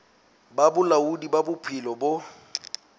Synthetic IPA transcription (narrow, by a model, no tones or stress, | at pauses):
babʊlaudibabʊpʰɪlɔbo